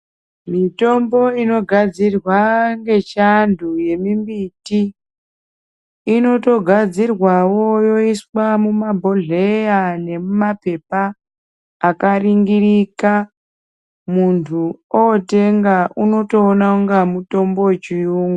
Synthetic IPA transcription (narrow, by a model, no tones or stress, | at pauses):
mito̞mbo̞ino̞ɡʱad͡zirwaŋɡe̞t͡ʃandʱuje̞mimbiti | no̞to̞ɡʱad͡zirwawojo̞iswamumabʱo̞ɮejane̞mumape̞paː | kariŋɡirika | muntʰuote̞ŋɡaʔuno̞to̞ːnauŋɡamuto̞mbo̞t͡ʃiuːŋɡu